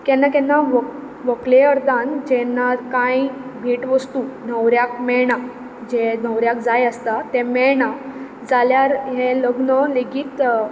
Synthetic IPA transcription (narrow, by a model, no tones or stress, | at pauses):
kɛnːakɛnːaʋə | ʋəkleəɾd̪and͡ʑɛnːakãjbʱiːʈʋəst̪unəʋɾjakmɛɽa | d͡ʑenəʋɾjak̚d͡zajəst̪at̪ɛ̃mɛɭɳa | d͡zaljaɾɦeləɡɳəleɡiːt̪